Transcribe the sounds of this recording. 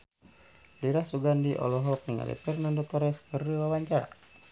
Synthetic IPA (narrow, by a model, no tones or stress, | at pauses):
liɾahsuɡandiʔɔ̰lɔɦɔkiŋa̰lɛ̰pirnandɔk̚t̪ɔɾɛskəriwawaɲt͡ʃa